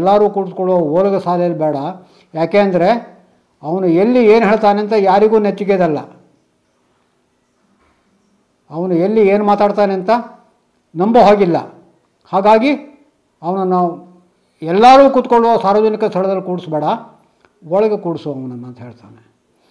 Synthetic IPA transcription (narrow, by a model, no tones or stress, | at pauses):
lːaːɾuːkuɽskoɭʋɐoːlɐɡɐsaːlɛjɐlːibɛːɽɐ | jaːkeːɐnd̪ɐɾe̞ | ɐʋɐnuelːieːnɦeːɭt̪aːneɐnt̪ɐjaːɾiɡuːnet̪ːiɡeːd̪ɐlːɐ | ɐʋɐnuelːieːnumaːt̪aːɽt̪aːneɐnt̪ɐ | nɐmbɐɦoːɡilːɐ̰ | haːɡaːɡi | ɐʋɐnɐnːɐ | ɛlːaːɾuːkut̪koɭːuʋɐsaːɾʋɐd͡ʒɐnikɐst̪ʰɐɭɐd̪ɐlːikuːɽsbɛːɽɐ | ʋɔɭɐɡekuːɽsuɐʋɐnɐnːɐnt̪ɐɦeːɭt̪aːne